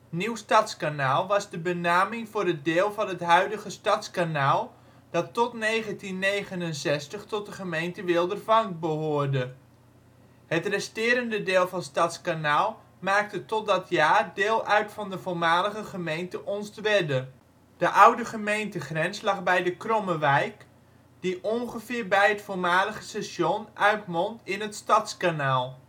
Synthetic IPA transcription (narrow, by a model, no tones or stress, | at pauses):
niwstɑtskanaːlˠʋɑzdəbənaːmɪŋvʊːrət̚dɪːlˠvɑnɦətɦœɥdəχəstɑtskanaːlˠ | d̥ɑtːɔtnejχəntinːejχənənsɛstəχtɔt̚dəχəmejntəʋɪlˠdərvɑŋbəɦʊːrdə | hətrɛstɪːɾəndədɪːlˠvɑnstɑtskanaːlˠ | maːk̚tətɔt̚dɑtʰjaːrdɪːlˠœɥtfɑndəvoːɹmaːləχəχəmejntəʔɔnsdʋɛdə | d̥əʔʌwdəχəmejntəχrɛnslɑχbɛjdəkrɔməʋɛjk | d̥iʔɔnχəvɪːrbɛjɦətfoːɹmaːləχəsɛsjɔnʔœɥtmɔntɪnɦətstɑtskanaːlˠ